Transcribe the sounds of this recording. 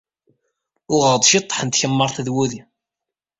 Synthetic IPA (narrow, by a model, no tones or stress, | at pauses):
ʊʁəɾd̪ˤʃit̪ˤːħənt̪çəmːəɾˤθðwuði